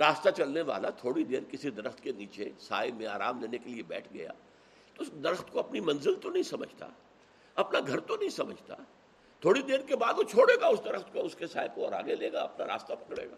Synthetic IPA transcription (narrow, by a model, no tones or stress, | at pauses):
ɾaːst̪at͡ʃɐlneʋa̰ːlat̪ʰoːɽid̪eːɾkɪsid̪ɐɾəxt̪keniːt͡ʃesa̰ːemẽaːɾa̰ːmleːnekeliebɛ̰ːʈʰɡɐ̰ja̰ː | t̪oʊsd̪ɐɾəxt̪koɐpnimɐ̃nzɪlt̪onɐɦĩsɐmə̰d͡ʒʱt̪a̰ | ɐpnaɡʱɐɾt̪onɐɦĩsɐməd͡ʒʱt̪a̰ | t̪ʰoːɽid̪eːɾkebaːd̪kot͡ʃʰoːɽeːɡaʊsd̪ɐɾəxt̪koʊskesa̰ːɪbkoɔːɾa̰ːɡeleːɡa̰ɐpna̰ɾa̰ːst̪apɐkɽḛːɡaː